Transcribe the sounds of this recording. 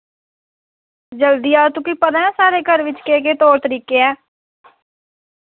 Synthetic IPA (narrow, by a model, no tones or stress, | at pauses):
d͡ʒəld̪iːaːt̪uːkiːpəd̪ãːɛ̃ːsaːɾeːkəɾʋɪt͡ʃkeːkeːt̪oːɾt̪əɾiːkeːɛː